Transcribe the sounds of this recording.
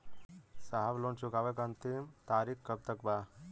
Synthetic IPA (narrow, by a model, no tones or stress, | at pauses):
saɦaʋloːnt͡ʃukaːʋekɐnt̪imt̪aːɾikkɐb̚t̪ɐkbaː